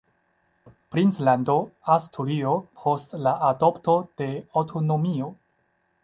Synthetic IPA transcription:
pɾint͡slandoastʰulio̞pʰo̞stlaʔadopto̞d̥e̞awtʰonomio̞

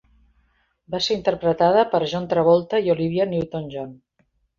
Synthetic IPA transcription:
baseɾint̪əɾpɾət̪aðəpəɾʒɔnt̪ɾəβɔlˠt̪əioliβ̞jəniwt̪onʲʒɔn

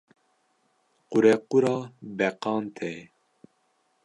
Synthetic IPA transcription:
quɾɛquɾɑːbɛqɑːnt̪ʰɛ

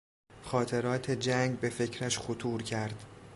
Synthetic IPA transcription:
xɒːt̪ʰe̞ɾɒːt̪ʰe̞d͡ʒæŋɡbe̞fe̞cʰɾæʃxot̪ʰuːɾcʰæɾd̪̥

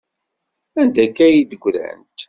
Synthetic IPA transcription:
ænd̪ækːæjid̪əɡʷːɾæ̰nt̪

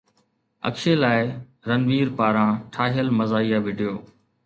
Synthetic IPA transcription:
ə̰kʃeːlaːɪ | ɾənʋiːɾpaːɾãːʈʰaːɦjəlməzaːijaːʋɪɖʱijoː

